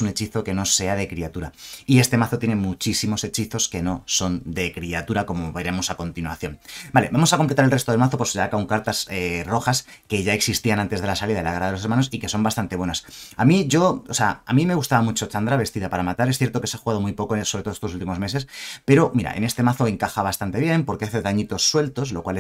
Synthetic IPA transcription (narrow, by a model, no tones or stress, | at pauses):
une̞t͡ʃiθo̞ke̞no̞se̞að̞e̞kɾiat̪uɾaie̞st̪e̞maθot̪jene̞mut͡ʃisimo̞se̞t͡ʃiθo̞ske̞no̞so̞nd̪e̞kɾiat̪uɾako̞mo̞βe̞ɾe̞mo̞sako̞nt̪inwaθjo̞nbale̞bamo̞sako̞mplet̪aɾelret̪oðelmaθo̞po̞seakauŋkaɾt̪asero̞xas | ke̞ʝae̞ksist̪ianãnt̪e̞zðelasaliðaðelakaɾaðeloe̞ɾmano̞sike̞so̞mbast̪ant̪e̞βwe̞nasamiʝo̞oseaamĩme̞ɣ̞ust̪aβamut͡ʃo̞t͡ʃand̪ɾaβe̞st̪iðapaɾamat̪aɾeθjeɾt̪o̞ke̞seaxuɣað̞o̞mujpo̞koso̞ɾet̪oe̥st̪osult̪̬imo̞zme̞se̞spe̞ɾo̞miɾa̰ḛne̞st̪e̞maθo̞e̞ŋkaxaβast̪ant̪e̞β̞je̞mpo̞ɾkeaθe̞ðaɲit̪o̞sːwe̞lt̪o̞slo̞kwal